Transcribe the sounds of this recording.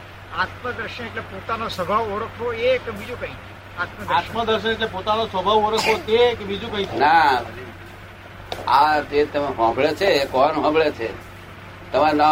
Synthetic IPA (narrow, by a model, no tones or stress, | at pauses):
at̪məd̪əɾʃəneʈlepot̪anosəbʱaʋoɾəkʰɦoekbid͡ʒũkəĩt͡ʃ | at̪məd̪ɾat̪məd̪əɾʃəneʈlepot̪anosʋəbʱaʋoɾəkʰɦot̪ekebid͡ʒũkəĩt͡ʃʰna | ad͡ʒet̪əmeɦɔ̃ɡɭet͡ʃʰekɔnɦɔ̃ɡɭet͡ʃʰe | t̪əmana